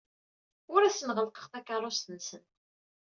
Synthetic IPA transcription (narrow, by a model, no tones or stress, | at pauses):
ʊɾæsənʁəlqə̥χθækːɑrˤost̪ənsən